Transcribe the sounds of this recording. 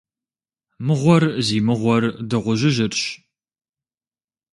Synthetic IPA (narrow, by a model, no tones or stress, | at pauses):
mɨʁʷɔrziːmɨʁʷɔrdɨʁʷʊʒɨʒɪrɕ